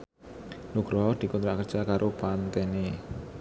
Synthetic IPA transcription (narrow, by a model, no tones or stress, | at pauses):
nuɡ̥ɾɔɦɔd̪̥i̤kunt̪ɾaʔkərd̥ʒ̥a̤kaɾʔopant̪ɛne